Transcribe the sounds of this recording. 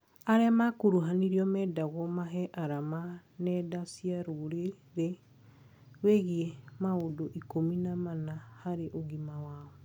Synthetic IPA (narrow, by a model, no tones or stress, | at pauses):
aɾɛamakoɾuɦaniɾiɔmɛːdaɣɔmaɦɛʔaɾamanɛdasiaɾoɾe | ɾe | ɣweɣiɛmaodoʔikominamanahaɾeʔoɣimawaːɔ